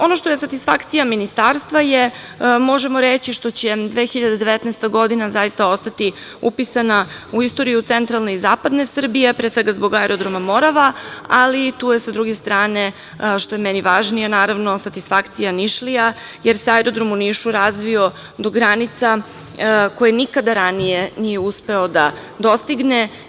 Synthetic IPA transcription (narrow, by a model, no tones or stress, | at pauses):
o̞noʃt̪o̞je̞sat̪isfakt̪sijaminist̪aːɾst̪ʋaje | mo̞ʒemoɾet͡ɕiʃt̪o̞t͡ɕed̪ʋeːxiʎad̪ed̪eʋet̪nɛɛst̪aɡo̞d̪inazajist̪ao̞st̪at̪i | upisanauist̪o̞ɾijut̪sent̪ɾalne̞izaːpad̪ne̞sr̩bije̞pɾet̪sʋeɡazbo̞ɡaɛɾo̞d̪ɾomamo̞ɾaʋaalit̪uːje̞sad̪ɾuɡe̞st̪ɾaːne̞ | ʃt̪o̞jemɛniʋaːʒnijanaːɾaʋno̞sat̪isfakt̪sijaniʃlija | jeɾseajɾo̞d̪ɾo̞muniːʃuɾazʋio̞ | d̪o̞ɡɾanit̪sa | ko̞jenikad̪aɾanijenije̞uspe̞od̪ad̪o̞st̪iɡne